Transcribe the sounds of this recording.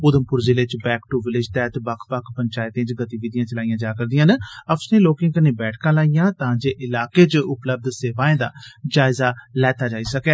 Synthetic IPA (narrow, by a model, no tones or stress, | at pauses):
pʊd̪əmpʊɾd͡ʒɪlɪt͡ʃbɛːkʈuʋɪlɪd͡ʒt̪ɛːt̪ːbəkʰpəkpəɲt͡ʃaːɪt̪ẽːt͡ʃɡət̪iːʋiːd̪ijãːt͡ʃəlaːijãːd͡ʒaːkəɾd̪ijãːnəpsnẽːloːkɪ̃ːkəneːbɛːʈʰkãːlaːijãːt̪ãːd͡ʒeːʔɪlaːkeːt͡ʃʊpləb̚d̪seːʋaːẽːd̪aːd͡ʒaːɪzaːlɛːt̪aːd͡ʒaːiːsəkɛː